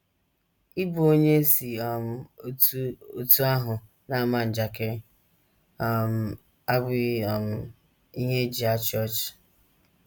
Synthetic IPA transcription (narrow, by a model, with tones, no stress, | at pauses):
i˦bu˨˦o˦ɲe˦si˨ɔ˨m̩˨˦ | o˦tu˦a˦ɦʊ˨ | na˦˨ma˨n̩˨d͡ʒa˨ke˦˨ | m˨ | a˦bʊ˦˨m̩˨ | i˦ɦe˦d͡ʒi˨a˦t͡ʃɔ˦˨t͡ʃ